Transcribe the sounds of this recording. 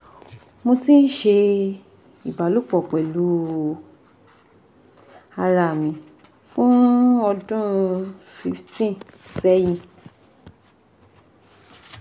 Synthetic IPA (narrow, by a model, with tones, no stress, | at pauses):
mo˧tĩ˦n̩˦ʃe˧ | i˨ba˨˦lo˦˨k͡pɔ˨k͡pɛ˨lu˨˦ | a˧ɾa˨mĩ˨˦ | fũ˦ɔ˧dũ˦fi˧ftĩ˦˨sɛ˦jĩ˦˨